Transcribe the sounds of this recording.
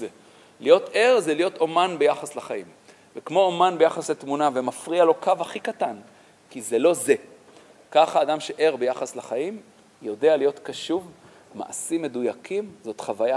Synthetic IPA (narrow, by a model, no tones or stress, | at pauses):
e | lijo̞tʔe̞ʁzelijo̞t̪omanbejaχaslaχajim | vekmo̞omanbejaχasletmunavemafʁialo̞kavaχikatan | kizelo̞ze̞ | kaχaːdamʃeʔe̞ʁbejaχaslaχajim | jo̞de̞alijotkaʃuv | ma̰ʔasime̞dujakʰimzo̞t̪χavaja